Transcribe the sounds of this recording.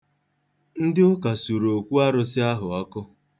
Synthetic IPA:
n̩˦dɪ˦ʊ˦ka˨su˨ɾo˨kʷu˦a˦ɾʊ˦sɪ˦a˦ɦʊ˨ɔ˦kʊ˦

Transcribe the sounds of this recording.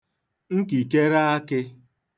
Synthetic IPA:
ŋ̩˦ki˨ke˦ɾa˦a˦kɪ˦

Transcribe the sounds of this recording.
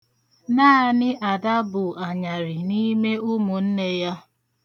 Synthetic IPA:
naː˦˨nɪ˦ʔa˨da˦bʊ˨a˨ɲa˨ɾɪ˨ni˦me˦ʊ˦mʊ˨n̩˦ne˦ja˦

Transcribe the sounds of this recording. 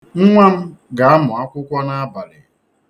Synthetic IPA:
ŋ̩˦ŋʷa˦m̩˦ɡa˨a˦mʊ˨a˦kʷʊ˦kʷa˦na˦ba˨lɪ˨

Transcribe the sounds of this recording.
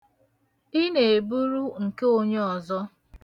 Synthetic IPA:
i˦ne˨bu˦ɾu˦ŋ̩˨ke˦o˦ɲe˦ɔ˨zɔ˦

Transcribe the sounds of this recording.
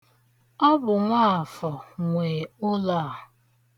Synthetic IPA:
ɔ˦bʊ˨ŋʷaː˦˨fɔ˨ŋʷe˨ʊ˦la˦˨

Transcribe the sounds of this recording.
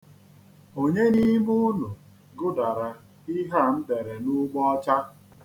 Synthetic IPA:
o˨ɲe˦ni˦mu˦nu˨ | ɡʊ˦da˨ɾa˨ | i˦ɦa˦˨m̩˦de˨ɾe˨nu˦ɡ͡bɔ˦ɔ˦t͡ʃa˦

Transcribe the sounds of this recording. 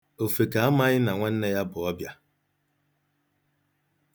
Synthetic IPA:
o˨fe˨ka˨a˦ma˦ɲɪ˦na˨ŋʷe˦n̩˦ne˦ja˦bʊ˨ɔ˦bja˦

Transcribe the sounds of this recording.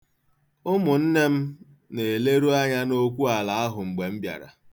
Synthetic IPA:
ʊ˦mʊ˨n̩˦ne˦m̩˦ | ne˨le˦ɾu˦a˦ɲa˦no˦kʷu˦a˨la˨a˦ɦʊ˨ŋ͡m̩˨ɡ͡be˨m̩˦bja̰˨ɾa̰˨

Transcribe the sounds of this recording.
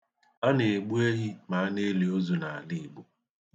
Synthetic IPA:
a˦ne˨ɡ͡bu˦e˦ɣi˦ma˨a˦ne˦li˨o˦zu˨na˨a˨li˦˨ɡ͡bu˦

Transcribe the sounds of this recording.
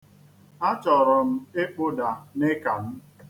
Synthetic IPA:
a˦t͡ʃɔ˨ɾɔ˨m̩˦e˦k͡po˦da˨ne˦ka˨m̩˦

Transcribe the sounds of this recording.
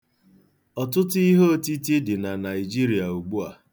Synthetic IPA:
ɔ˨tʊ˦tʊ˦i˦ɦo˦o˦˨ti˦t̬i˦dɪ˨na˨na˨ɪ˨d͡ʒi˦ɾi˨a˨u˨ɡ͡bu˦a˨

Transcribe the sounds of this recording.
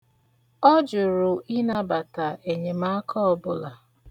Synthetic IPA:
ɔ˦d͡ʒʊ˨ɾʊ˨ʔi˦na˦ba˨ta˨e˨ɲe˨ma˦a˦kʰɔ˦ɔ˦bʊ˦la˨

